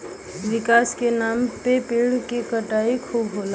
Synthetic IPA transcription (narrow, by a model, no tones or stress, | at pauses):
ʋɪkaːskenaːmpepeɽ̤kekəʈaːikʰuːbɦola